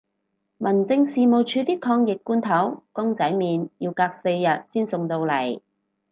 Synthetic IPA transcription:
mɐ˨˩nt͡sɪ˧ŋsiː˨mo˨˩wt͡ʃʰyː˨˧t̪iː˥kʰɔː˧ŋjɪ˨k̚ːuː˥nt̪ʰɐ˨˥wkʊ˥ŋt͡sɐ˨˥jmiː˨˧nji˧wkaː˧k̚se˧jːɐ˨t̚siː˥nsʊ˨ŋt̪o˧wlɐ˨˩j

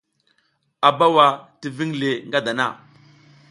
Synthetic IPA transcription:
a˨ba˦wa˨ti˨vi˦ŋle˨ŋɡa˦da˨na̰˦˨

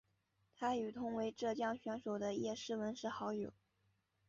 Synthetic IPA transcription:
t̪ʰa˥y˨˩t̪ʰʊ˥ŋwe˧˥ɪʈ͡ʂɤ˥˩t͡ɕjɑ˥˩ŋɕɥɛ˧˥nʂo˨˩ʊd̪ə˦jɛ˥˧ʂɻ̩˥˩wə˧˥nʂɻ̩˥˩xɑ˧˥ʊjo˨˩˦ʊ

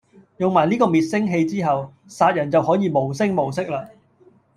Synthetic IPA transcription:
jʊ˨ŋmaː˨˩jniː˥kɔː˧miː˨t̚sɪ˥ŋɦe˧jt͡siː˥ɦɐ˨w | saː˧t̚jɐ˨˩nt͡sɐ˨whɔː˨˥jiː˨˧mo˨˩wsɪ˥ŋmo˨˩wsɪ˥k̚laː˧

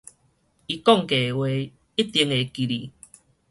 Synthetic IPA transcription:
i˨˧kɔ˥˨ŋke˨we˧˦ | i˦t̪ji˧˦ŋe˨ki˨ɾi˨

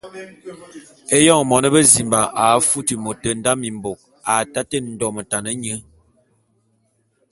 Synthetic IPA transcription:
e˦jɔ˦˨ŋmɔ˨nə˦bə˦zi˨mba˨ʔa˨˦fu˦ti˨mo˨tə˨n̩˦da˦mi˨mbo˨k̚ | a˨ta˦te˦n̩˨dɔ˦˨mə˨ta˨nə˦ɲə˦

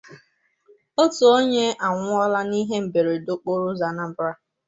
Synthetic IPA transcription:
o˦tu˨o˦ɲe˦a˨ŋʷʊ˦ɔ˦la˦ni˦ɦe˦m̩˨be˨ɾe˨dʊ˦k͡po˦ɾʊ˦za˨na˦m̩˦bɾa˦

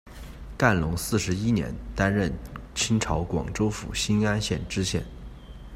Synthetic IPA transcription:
ka˥˩nlʊ˧˥ŋsɹ̩˥˩ʂɻ̩˧˥i˥njɛ̰˧˥nt̪a˥nɻə˥˩nt͡ɕʰi˥ŋʈ͡ʂʰɑ˧˥ʊkwɑ̰˨˩ŋʈ͡ʂo˥ʊfṵ˨˩ɕi˥na˥nɕjɛ˥˩nʈ͡ʂɻ̩˥ɕjɛ̰˥˩n

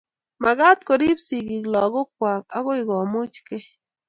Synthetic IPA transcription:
ma˨ɣa˦t̪ko˨ɾi˦psi˨ɡi˨klɔ˨ɣo˦k̚wa˨k̚a̰˦ɣo˦i˨ɣɔ˨mʊ˦t͡ʃke˦

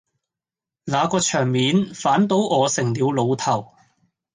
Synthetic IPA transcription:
naː˨˧kɔː˧t͡ʃʰœː˨˩ŋmiː˨˧nfaː˨˥nt̪o˨˥wʔɔː˨˧sɪ˨˩ŋliː˨˧wlo˨˧wt̪ʰɐ˨˩w

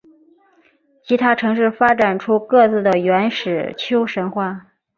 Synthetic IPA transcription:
t͡ɕʰi˧˥t̪ʰa˥ʈ͡ʂʰɤ˧˥ŋʂɻ̩˥˩fa˥ʈ͡ʂa˨˩nʈ͡ʂʰu˥kɤ˥˧t͡sɹ̩˥˩d̪ə˩ɥɛ˧˥nʂɻ̩˨˩t͡ɕʰjo˥ʊʂə˧˥nxwa˥˩

